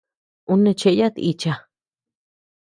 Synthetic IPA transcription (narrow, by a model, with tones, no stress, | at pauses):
u˧nẽ˧t͡ʃe˧˦ja˦t̪i˧t͡ʃa˧